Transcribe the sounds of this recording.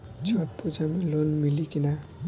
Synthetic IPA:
d͡ʒɔʈ̚pud͡ʒamelonmilikina

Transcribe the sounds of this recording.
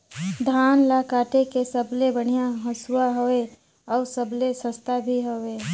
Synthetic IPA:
d̪ʱaːnlaːkaːʈekesəblebəɽ̤̃ijaɦəsuwaɦoe | ɔːɾsəblesəst̪abʱiɦoeː

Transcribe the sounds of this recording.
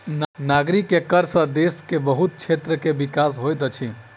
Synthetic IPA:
nnaɡɾikːekəɾsə̃d̪eskebəɦut̪̚t͡ʃʰet̪ɾəkebikasɦojt̪ət͡ʃʰi

